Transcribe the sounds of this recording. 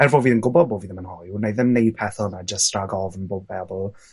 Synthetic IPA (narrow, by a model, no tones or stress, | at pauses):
ɛrvoːviːðənɡʊbɔd̚boːviːðəmənhɔjunajðəmnejd̚pʰɛθɔnad͡ʒəstraɡɔvənboːd̚bɛðlˠ